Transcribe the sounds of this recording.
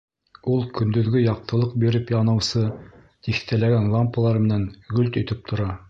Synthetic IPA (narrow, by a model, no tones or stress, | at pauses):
ulˠkɵ̆nd̪ɵ̆ðɡɵjɑq̚t̪ɤ̆lˠɤq̚biɾɘpjɑnɤ̆wsɤ | t̪ikt̪ælæɡænlˠampːəlˠɑɾmɘ̆næŋɡɵlt̪ɵ̆jt̪ɘp̚t̪ʰŏɾɑ